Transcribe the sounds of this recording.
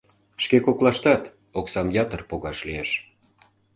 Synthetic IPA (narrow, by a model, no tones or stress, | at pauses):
ʃkekoklɑʃt̪ɑt̪ | oksɑmjɑt̪ərpoɣɑʃlieʃ